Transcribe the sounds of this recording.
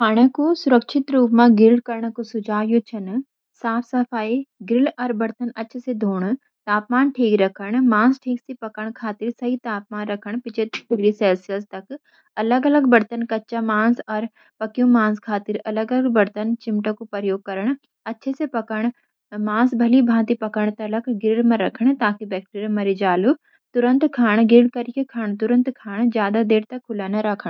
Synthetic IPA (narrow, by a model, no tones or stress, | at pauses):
pʰaːɽ̃əkosʊɾəkʃʰɪt̪ɾuːpmãɡɪɾɪlkɐɾɳ̃kosʊd͡ʒaːjõt͡ʃʰɐn | saːpʰsɐfaːiɡɾɪlɔɾbɐɾt̪ənɐtːʃʰsed̪ʱoːɽ̃ | t̪aːpmaːnʈʰiːkɾɐkʰəɽ̃mãːsʈʰiːksepɐkəɽ̃kʰaːt̪ɪɾsɐɦit̪aːp̚maːnɾɐkʰəɽ̃pɪt͡ʃʰet̪t̪uɡɾisɛːlsɪjəlst̪ɐk | ɐləɡɐləɡbɐɾt̪ənkɐtːt͡ʃamãːsɔɾ | pɐkijũmãːskʰaːt̪ɪɾɐləɡələɡbɐɽt̪ənt͡ɕɪmʈəkupɐɾjoːɡ̚kɐɾəɽ̃ | ɐtːʃʰesepɐkəɽ̃ | mãːsbʱɐlibʱãːt̪ipɐkəɽ̃t̪ɐləkɡɪɾɪɽmãɾɐkʰəɽ̃t̪aːkibɛːk̚ʈeːɾimɐɾid͡ʒaːlu | t̪ʊɾə̃nt̪kʰaːɽ̃ɡɪɾɪɽkɐɾijekʰaːɽ̃t̪ʊɾə̃nt̪kʰaːɽ̃zjaːd̪ad̪eːɾt̪ɐkʰːʊlanɐɾɐkʰəɽ̃